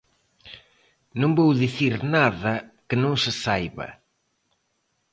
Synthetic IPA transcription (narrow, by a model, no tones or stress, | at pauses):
nõŋbowðiθiɾnaðɐkɪnõŋsɪsajβɐ̰